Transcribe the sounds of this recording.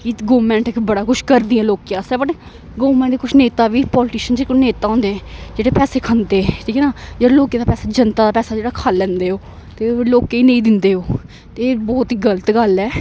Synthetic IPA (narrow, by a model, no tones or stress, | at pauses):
kiɡoːmɛ̃ːɳʈbəɽaːkʊʃʰkəɾd̪iːɛ̃ːloːkijãːsɛːbəʈ | ɡoːmɛ̃ːɳʈeːkʊt͡ʃʰneːt̪aːʋiːpɔːlʈiːʃənd͡ʒeekʊneːt̪aːɦɔ̃ːnd̪eːɛ̃ːd͡ʒeːɽeːpɛːseːkʰənd̪eːɛ̃ʈʰiːkɛːnaːd͡ʒeɽloːkẽːd̪aːpɛːsaːd͡ʒənt̪aːd̪aːpɛːsaːd͡ʒeːɽaːkʰaːlːɛ̃ːnd̪eːɦoː | t̪eːloːkeːiːnẽĩːd̪ɪnd̪eːɦoː | t̪eːbɔːt̪ːɡələt̪ɡəlɛː